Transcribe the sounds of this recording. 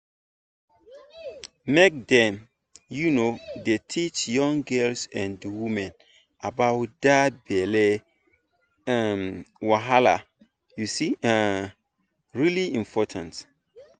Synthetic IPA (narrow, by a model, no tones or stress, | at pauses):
mek̚dɛ̃m | junodetʰit͡ʃjɔ̃ŋɡɜlsɛ̃ndəwimɛ̃n | abawt̚d̥abɛlɛ | amwaɦala̰ | jusia | ɹiliĩmpʰɔtʰãnt